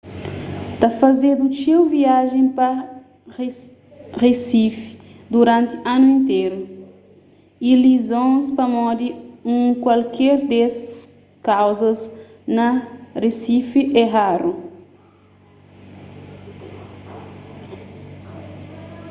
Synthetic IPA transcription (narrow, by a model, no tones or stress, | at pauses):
t̪ɐfɐzed̪ut͡ʃewviaʒẽpɐ | resifi̥d̪uɾãnt̪i̥ãnuẽnt̪eɾu | ilizõspɐmɔd̪iũkwalkʰɛɾd̪es | kawzɐz | nɐresifiʔɛɦaɾu